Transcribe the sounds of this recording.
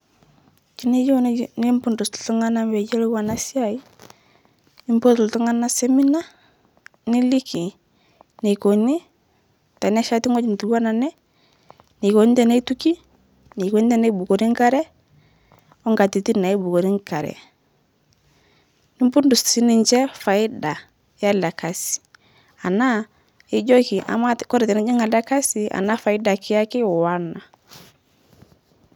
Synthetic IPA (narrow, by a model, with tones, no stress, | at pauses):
t͡ʃi˦ni˦jo˦ni˦mpʊ˦ndʊ˨stu˦ŋa˦na˦mwɛ˨d͡ʒɛ˦li˦wa˨na˦sja˦˨i˦ | ni˦mbo˦tltu˦ŋa˦na˦se˦mi˦na˦ | ni˦li˦ki˨ | ne˨ko˨ni˦ | ta˨n˦a˦ʃa˦ti˦ŋɔ˦t͡ʃi˨n˨tu˨˦a˦na˨nɛ˦ | ne˨ko˨n˦tɛ˨ne˦tu˦ki˦ | ni˨ko˦n˦tɛ˦˨ne˦bu˨ko˨ɾi˦ŋka˦ɾɛ˦ | ɔ˦ŋɡa˨ti˨ti˦˨na˨i˦bu˨ko˨ɾi˦ŋka˨ɾɛ̰˨ | nɪ˦mbu˦ndu˨ssi˦nɪ˨ɲt͡ʃɛ˦fa˨ɪ˦da˨ | ja˦la˨ka˨si̥˨ | a˨na˦ | ɪ˦ɟɔ˦ki˨ʔa̰˨ma˦kɔ˦ɾɛ˨tɛ˨ni˦d͡ʒɪ˦ŋa˨la˦ka˦si˨a̰˨na˦fa˨ɪ˦da˨kɪ˦a˦kɪ˦ɔ˨wa˦na˨